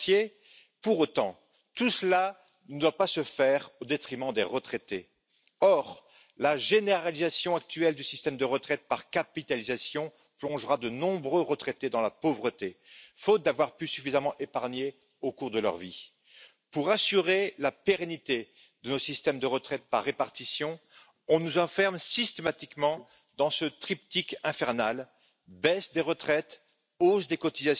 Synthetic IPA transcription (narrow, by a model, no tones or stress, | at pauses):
je | puʁot̪ɑ̃ | t̪usla | nəd̪wapasəfɛʁod̪et̪χimɑ̃d̪eʁət̪χet̪e | ɔʁ | laʒeneʁalizasjɔ̃ak̚t̪yɛld̪ysist̪ɛmd̪əʁət̪χɛt̪̚paʁkapit̪alizasjɔ̃ | plɔ̃ʒʁad̪ənɔ̃bʁøʁət̪χet̪ed̪ɑ̃lapovʁət̪efot̪̚d̪avwaʁpysyfizamɑ̃ʔepaʁɲe | okuʁd̪əlœ̰ʁvi | puʁasyʁelapeʁenit̪e | d̪̥ənosist̪ɛmd̪əʁət̪χɛt̪̚paʁːepaʁt̪isjɔ̃ | ɔ̃nuzɑ̃fɛʁmsist̪emat̪ikmɑ̃ | d̪ɑ̃sət̪χipt̪ikɛ̃fɛʁnal | bɛsd̪eʁət̪χɛt̪ | ozd̪ekɔt̪izas